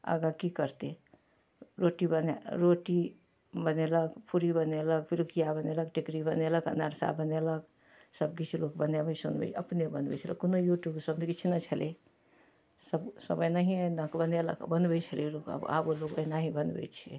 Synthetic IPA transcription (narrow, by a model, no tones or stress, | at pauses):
ə̰ɡəkikəɾt̪e | ɾoʈibəneɾoʈi | bəneləkpuɾibənelək̚piɾukijabəneləkʈikɾibəneləkə̰nəɾsa̰bənelək̚ | səbkit͡ʃʰlokbənebəsṵnbɛ̰t͡ʃə̰pnebənd̪bɛ̰t͡ʃʰələ̰kːonojuʈjubsəbnkit͡ʃʰnət͡ʃʰəle | səbsə̰bəjnaɦĩnəkbənelə̰kbənbɛt͡ʃʰəlelokə̰ba̰bolokənaɦĩbənd̪bɛ̰t͡ʃʰḛ